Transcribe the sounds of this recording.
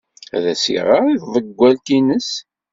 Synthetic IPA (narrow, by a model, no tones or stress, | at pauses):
æ̰ðæsḭʁəʁiðvˤəɡʷːæltinəs